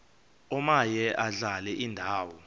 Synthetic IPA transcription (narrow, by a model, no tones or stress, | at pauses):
ɔmajɛʔaɮalɛʔindʱaːwɔ